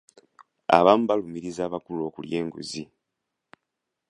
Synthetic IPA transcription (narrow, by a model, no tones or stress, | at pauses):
a̰βamubalumiɾizaːβakulo̞ːkulje̞ːŋɡṵzi